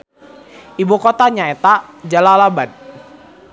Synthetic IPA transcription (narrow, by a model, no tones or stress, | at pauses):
ʔibukɔt̪aɲaet̪ad͡ʒalalaban